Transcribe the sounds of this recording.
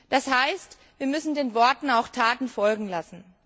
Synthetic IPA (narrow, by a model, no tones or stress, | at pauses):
d̥ashaɪst | viːɐmʏsn̩deːnvɔɐtn̩aʊxtʰaːtn̩fɔlɡŋ̩lasn̩